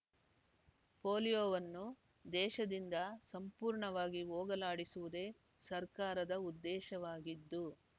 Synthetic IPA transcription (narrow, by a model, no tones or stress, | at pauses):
poːljoːʋɐnːu | d̪ɛːʃɐd̪ind̪ɐsɐmpuːɾɳɐʋaːɡioːɡɐlaːɽisuʋud̪e̞ː | sɐɾkaːɾɐd̪ɐud̪ːɛːʃɐʋaːɡid̪ːu